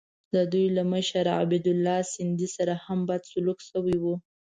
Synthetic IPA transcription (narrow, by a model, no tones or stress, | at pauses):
d̪əd̪ujlaməʃaɾa̰bid̪ʊlːɑsɪnd̪isaɾahambajd̪sʊlukʃəwiwu